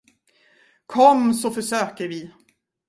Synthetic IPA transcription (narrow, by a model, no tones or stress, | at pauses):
kʰɔmːsɔfœʂøːkəɾvɪ